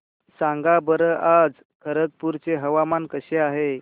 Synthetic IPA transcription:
sãŋɡabəɾəʔad͡z | kʰəɾət̪̚puɾt͡seɦəʋamankəɕeaɦe

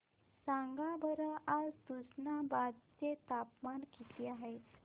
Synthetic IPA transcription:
sãŋɡabʱəɾəad͡zt̪usnabad̪̚t͡set̪apmankit̪iaɦe

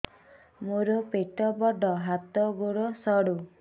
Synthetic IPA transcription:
moɾɔpeʈɔbɔɖʱɔɦat̪ɔɡoɽɔsɔɽu

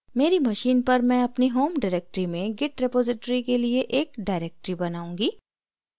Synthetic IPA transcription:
meːɾimɐʃiːnpɐɾmɛ̃ɐpniɦoːmɖaːɾeːk̚ʈɾimẽɡɪʈɾepoːzɪʈɾikelieʔeːkɖaːɪɾeːk̚ʈɾibɐnaːũːŋɡiː

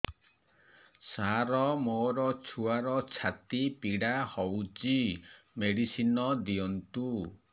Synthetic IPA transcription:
saɾɔmoɾɔt͡ʃʰuaɾɔt͡ʃʰat̪ipiɽahɔwt͡ʃimeɽisinɔd̪iɔnt̪u

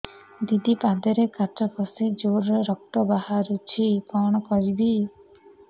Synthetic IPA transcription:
d̪id̪ipad̪eɾekat͡ʃɔkɔsid͡ʒoɾeɾɔk̚t̪ɔbaɦaɾut͡ʃʰipɔɽ̃ɔkɔɾibi

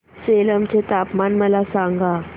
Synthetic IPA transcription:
sɛlam̩t͡ʃʰɛt̪apmanmalasaːŋɡa

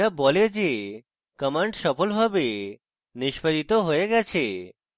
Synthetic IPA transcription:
abɔled͡ʑe | kəmaɳɖʃɔpolbʱabe | niʃpʰaɾit̪oɦoeɡɛt͡ɕʰe

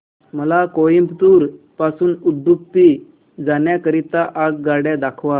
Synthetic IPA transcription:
məlakojimpt̪uːɾ | pasuːnud̪ʱːuk̚t̪i | d͡zanjakəɾit̪aʔaɡɡaɽjad̪akʰʋa

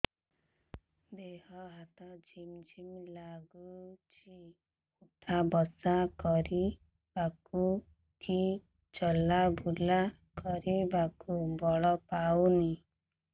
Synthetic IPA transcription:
d̪eɦɔɦat̪ɔd͡ʒimd͡ʒimlaɡut͡ʃʰi | ut̪ʰabɔsakɔɾi | baku | ki | t͡ʃɔlabʱula | kɔɾibakubɔɭɔpawni

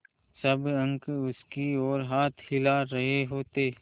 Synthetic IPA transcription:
sɐbɐ̃ŋkʊskiɔːɾɦaːt̪ʰhɪlaɾɐɦeɦoːt̪eː

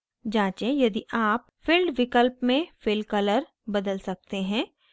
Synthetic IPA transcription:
d͡ʒãːt͡ʃẽjɐd̪iʔaːp̚ | fɪlɖʋɪkəlpmẽfɪlkɐləɾ | bɐd̪əlsɐk̚t̪eɦɛ̃ː

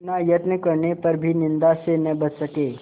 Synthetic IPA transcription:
najət̪nəkəɾɳepəɾbʱiːnind̪asenɛbətsəke

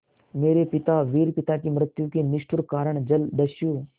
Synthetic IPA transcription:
meːɾepɪt̪aːʋiːɾpɪt̪aːkiːmɾət̪jukiːnɪʃʈʰʊɾkaːɾəɳd͡ʒəld̪əʃjuː

